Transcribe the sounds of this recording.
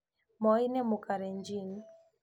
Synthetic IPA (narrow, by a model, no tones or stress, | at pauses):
mɔinɛmukaɾɛɲd͡ʒin